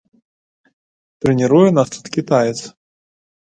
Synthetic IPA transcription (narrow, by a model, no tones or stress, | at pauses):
t̪ɾɛnʲiɾujɛnast̪u̥t̪kʲit̪ajɛt̪s